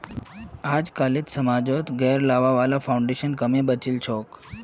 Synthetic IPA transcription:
ad͡zkaliːt̪səmad͡zɔt̪ɡɛɾlaʋaʋalafauɳɖeɕənkəmẽbət͡ɕiːlt͡ɕʰɔk

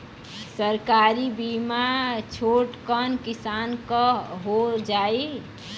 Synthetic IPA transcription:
səɾkaɾibimat͡ʃʰoʈkənkisankəɦod͡ʒai

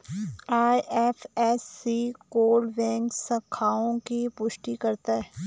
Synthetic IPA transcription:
aːjʔɛfɛsːiːkoːlɖʋɛ̃ːŋksɐkʰaːõkipʊʃʈikɐɾt̪aɦɛ

